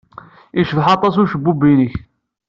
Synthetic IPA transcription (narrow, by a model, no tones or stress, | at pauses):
iʃðħɑt̪ˤːɑsuʃəbːubːinəç